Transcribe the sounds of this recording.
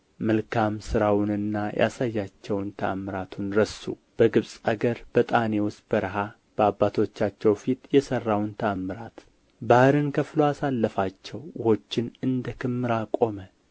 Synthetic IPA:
məlkʰamsɨɾawʊnɨnːajʔa̰sajːat͡ʃːɛwnt̪ʰəamːɨɾat̪ʰunɾəsṵ | b̥əɡɨβsʼaɡəɾb̥ət̪ʼane̞wʊst̪̚b̥əɾəɦa | b̥əabːat̪ʰo̞t͡ʃːat͡ʃːɛwfit̪jɛsərːawnt̪ʰəamːɨɾat̪ | bahɨɾɨnkʰəfloasalːəfat͡ʃːɛwjɪho̞t͡ʃːɪnɨnd̪əkʰɨmːɨɾakʼo̞mə

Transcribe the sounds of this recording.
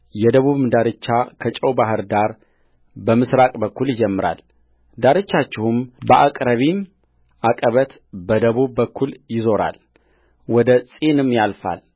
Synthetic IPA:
jɛd̪əβuβɨmd̪aɾɨt͡ʃːakʰət͡ʃʼəwbaɦɨɾd̪aɾ | bəmɨsɾakʼbəkːuljɪd͡ʒɛmːɨɾa̰l | d̪aɾɨt͡ʃːat͡ʃːɪhumbəʔakʼɾəβim | ʔakʼəβət̪ | bəd̪əβuβːəkːuljɪzo̞ɾa̰l | wɔd̪əsʼenɨmːjalfa̰l

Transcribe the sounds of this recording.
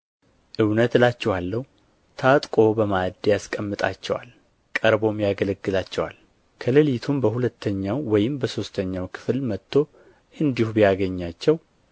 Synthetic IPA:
ʔɨwnət̪lat͡ʃːɛwalːəhu | t̪ʰat̪ʼkʼo̞bəmad̪jaskʼəmːɨt̪ʼa̰t͡ʃːɛwa̰l | kʼəɾbo̞mjaɡələɡːɨlat͡ʃːɛwa̰l | kʰələlit̪ʰumbəhulət̪ʰːəɲːawːɔjɪmbəso̞st̪ʰəɲːawkʰɨ̥fɨlmət̪ʰːo̞ | ʔɨnd̪ihubijaɡəɲːat͡ʃːɛw

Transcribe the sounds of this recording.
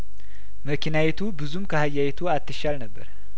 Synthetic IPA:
məkʰinawɛt̪ʰubɨzumkʰəhajːawet̪ʰuat̪ːɨʃalnəbːə̰ɾ

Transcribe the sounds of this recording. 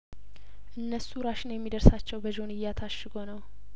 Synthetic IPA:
ʔɨnːəsuɾaʃɪnjɛmːid̪əɾsat͡ʃːɛwbəd͡ʒo̞nɨjːat̪ʰaʃːɨɡo̞nəw

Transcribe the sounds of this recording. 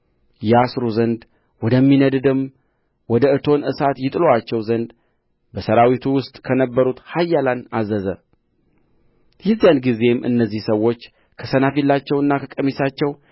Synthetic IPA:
jɛasɾuzənd̪ | wɔd̪əmːinəd̪ɨd̪ɨm | wɔd̪əɨt̪ʰo̞nɨsat̪jɪt̪ʼɨloat͡ʃːɛwzənd̪ | bəsəɾawit̪ʰuwʊst̪ʼkʰənəbːəɾut̪hajːalanazəzə | jɪzijanɡize̞mʔɨ̰nːəzːihsəwːo̞t͡ʃː | kʰəsənafilːat͡ʃːɛwɨnːakʰəkʼəmisat͡ʃːɛw

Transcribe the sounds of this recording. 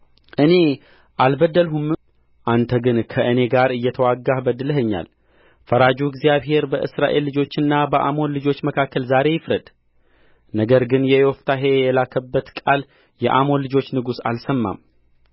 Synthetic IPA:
ʔɨne̞ | ʔalbəd̪ːəlɦumɨ | ʔant̪ʰəɡɨnkʰəʔɨne̞ɡaɾɨjːɛt̪ʰəwaɡːahbəd̪ɨləɦəɲːa̰l | fəɾad͡ʒuɡzijaβɦe̞ɾbəʔɨ̰sɾa̰ʔe̞lːɨd͡ʒo̞t͡ʃːɨnːabəʔa̰mo̞nlɨd͡ʒo̞t͡ʃːməkʰakːəlzaɾe̞jɪfɾəd̪̥ | nəɡəɾɡɨnjɛjoft̪ʰaɦe̞jɛlakʰəbːət̪kʼal | jɛʔamo̞nlɨd͡ʒo̞t͡ʃːnɨɡusa̰lsəmːa̰m

